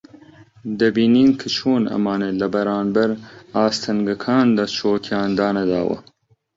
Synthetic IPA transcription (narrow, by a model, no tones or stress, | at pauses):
d̪ɐbiːniːnkʰɨt͡ʃʰoːnɐ̰mɑːnelɐbɐɾɑːnbɐɾɑːst̪ʰɐŋɡɐkʰɑːnd̪ɑt͡ʃʰoːkʰjɑːnd̪ɑːnɐd̪ɑ̰ːwɐ̰